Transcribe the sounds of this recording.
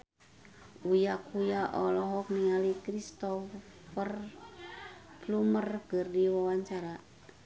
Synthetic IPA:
ujakujaʔɔlɔɦɔk̚niŋalikɾist̪ɔ | fər | plumərkərdiwawaɲt͡ʃaɾa

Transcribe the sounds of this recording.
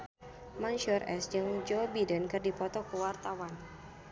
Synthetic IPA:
manʃurʔɛ̰sd͡ʒɨŋd͡ʒɔbidənkɨrdipɔt̪ɔkəwart̪awan

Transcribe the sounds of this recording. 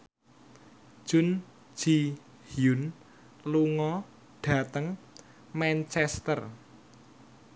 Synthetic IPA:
ʒ̥ʊ̤n̥ | d͡ʒ̥i | hjun | luŋɔ | ɖ̥ä̤t̪əŋ | mant͡ʃɛst̪ər

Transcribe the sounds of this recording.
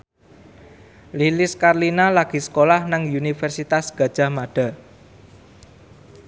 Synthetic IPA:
lilɪskarlinalaɡ̥i̤sə̥kolahnaŋunifɛrsit̪asɡ̥ä̤d̥ʒ̥a̤maɖ̥a̤

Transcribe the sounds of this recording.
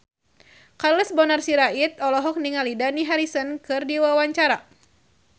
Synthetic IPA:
karləsbɔnarsiɾait̪̚ɔlɔɦɔk̚niŋalidaniɦaɾisənkɨrdiwawaɲt͡ʃaɾa

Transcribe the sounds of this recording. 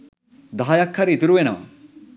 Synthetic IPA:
d̪aːjɐkʰːɐɾit̪iɾuʋenɐʋɐ̰

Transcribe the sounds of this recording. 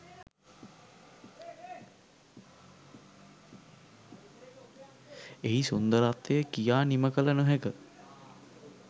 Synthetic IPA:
eɦisund̪əɾat̪ejəkijaːniməkələnəɦɛkə

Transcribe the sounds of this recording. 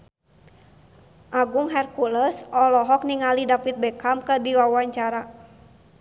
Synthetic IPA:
ʔaɡuŋɦɛrkuləsɔlɔɦɔk̚niŋalidafit̪̚bɛkamkərdiwawaɲt͡ʃaɾa

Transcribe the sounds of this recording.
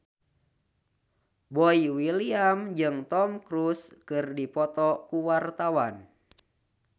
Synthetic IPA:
bɔiwiliamd͡ʒɨŋt̪ɔmkɾuskɨrdipɔt̪ɔkuwart̪awan

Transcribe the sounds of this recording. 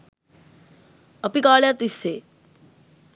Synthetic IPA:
ʌpikaɭjat̪ise

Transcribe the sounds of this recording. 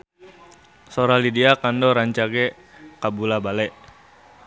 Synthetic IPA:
sɔɾalidiakandɔɾaɲt͡ʃaɡɛ | kabulabalɛʔ

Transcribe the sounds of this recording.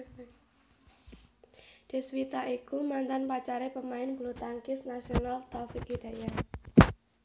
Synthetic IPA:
d̥i̤swit̪aʔikumant̪anpat͡ʃaɾepəmaɪnb̥lut̪aŋkɪsnasionalt̪ɾɔfikid̥a̤ja

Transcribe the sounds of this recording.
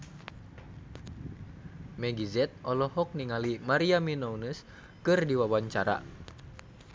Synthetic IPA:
mɛɡizɛt̪̚ɔlɔɦɔk̚niŋalimaɾiaminɔunəs | kɨrdiwawaɲt͡ʃaɾa̰

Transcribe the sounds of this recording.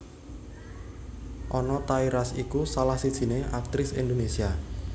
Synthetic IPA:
ʔɔnɔt̪aiɾasikusalahsid̥ʒ̥i̤neʔak̚t̪ɾɪsind̪onesia

